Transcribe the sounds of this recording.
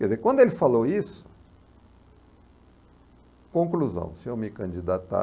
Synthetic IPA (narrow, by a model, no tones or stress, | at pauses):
kɛdzeɾkwɐ̃d̪ʊelɪfalowisʊ̥ | kõkluzɐ̰̃w̃sɪewmɪkɐ̃d͡ʒid̪at̪a̰